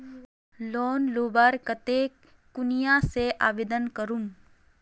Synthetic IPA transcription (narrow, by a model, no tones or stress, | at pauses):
loːnloːbəɾkət̪eː | kʊnijaseʔa̰ːʋeːd̪ənkəɾun